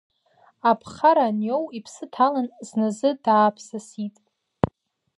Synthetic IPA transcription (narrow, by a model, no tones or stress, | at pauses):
apʰχaɾanjowipʰsɨtʰalanznazɨdaːpʰsasitʼ